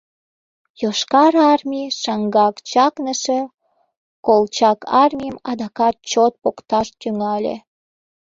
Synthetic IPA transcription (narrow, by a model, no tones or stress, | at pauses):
joʃkɑɾɑrmʲiʃɑŋɡɑkt͡ɕɑknəʃe | kolt͡ɕɑkɑrmʲijəmɑd̪ɑkɑt̪̚t͡ɕot̪̚pokt̪ɑʃt̪yŋɑlʲḛ